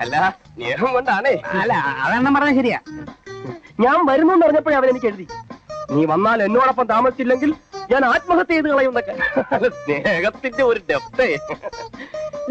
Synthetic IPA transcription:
ɐlːɐsneːɦɐmko̞ɳɖaːɳeːlːaɐ̰ðenːɐmpɐrɐɲːɐɕɐɾija̰ | ɲaːnʋɐɾunːɐoɳɖɨpɐrɐɲːɐpːoːeɐʋɐne̞nik̬ʲːe̞ɻuðiniːʋɐnːaːle̞nːuaːɳɐpːɐmt̪aːmɐsit͡ɕːilːe̞ŋɡilɲaːnaːt̪̚mɐɣɐt̪ːejðɨkɐɭɐjmunːokːeɐlːɐsneːɣɐt̪ːindeo̞ɾudeft̪e

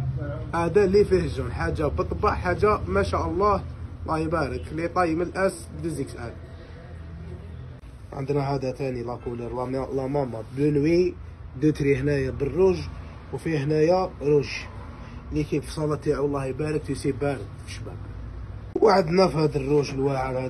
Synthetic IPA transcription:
hæd̪ælifihʒʊnħad͡ʒːabət̪ˤːbɑʕħaʒːamæʃæʔəlˤːɑhlɑhibæɾəklit̪ˤɑjəməlʔæs | d̪əziksʔæl | ʕə̰nd̪næɦæd̪æt̪ænilækuləɾlæmæmːɑblənwi | d̪ət̪ɾihnæjabərːuʒ | wfihnæjaɾuʃ | likifsˤɑlɑt̪ːiʕwlˤːɑhibæɾək̚t̪usibæɾəkfəʃːbæ̰b̚ | wʕəd̪næfhæd̪ərːuʒlwæʕalhæ

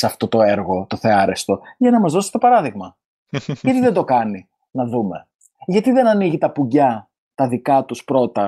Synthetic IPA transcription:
sɐft̪o̞t̪oeɾɣo̞t̪oθe̞ɐɾe̞st̪o̞ʝɐnɐmɐzðo̞si̥t̪opɐɾɐðiɣmɐ | ʝɐt̪iðed̪o̞kɐni | nɐðume̞ | ʝɐt̪iðe̞nɐniʝit̪ɐpuɟɐ | t̪ɐðikɐt̪uspɾo̞t̪ɐ

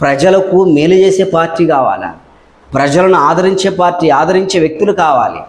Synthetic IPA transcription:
pɾɐd͡ʒɐlɐkumeːlud͡ʒe̞ːse̞ːpaːɾʈːiːkaːʋa̰ːla̰ | pɾɐd͡ʒɐlɐnuaːd̪ʱɐɾiɲt͡ʃe̞ːpaːɾʈːiːaːd̪ʱɐɾiɲt͡ʃe̞ːʋjek̚t̪ilukaːʋa̰ːlḭ

